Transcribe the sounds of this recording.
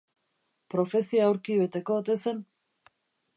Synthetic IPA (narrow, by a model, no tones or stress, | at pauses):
pɾo̞fe̞siaːwɾkiβe̞t̪e̞ko̞ot̪e̞se̞n